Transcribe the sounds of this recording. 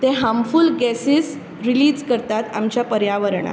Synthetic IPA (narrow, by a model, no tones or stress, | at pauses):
t̪eɦamfulɡɛsis | ɾiliːd͡zkəɾt̪at̪amt͡ɕjapəɾjaʋəɾɳa̰